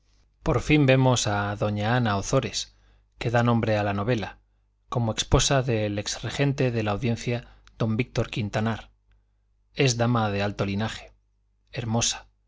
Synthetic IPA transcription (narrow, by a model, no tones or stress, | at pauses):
po̞ɾfimbe̞mo̞saðo̞ɲaanaoθo̞ɾe̞s | ke̞ðanõ̞mbɾe̞alano̞β̞e̞la | ko̞moe̞kspo̞saðe̞leksre̞xe̞nt̪e̞ðe̞laːwðjẽ̞n̟θjað̥o̞mbik̚t̪o̞ɾkint̪anaɾ | e̞zðamað̞e̞alt̪o̞linaχe̞̥ | eɾmo̞sḁ